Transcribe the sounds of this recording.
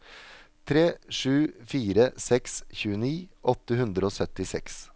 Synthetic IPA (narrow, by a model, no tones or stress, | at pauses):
t̪ʰɾeːʂʉːfiːɾəsɛksçʉːəniːʔɔt̪ːəhʉnd̪ɾəoːsœt̪ɪsɛ̰ks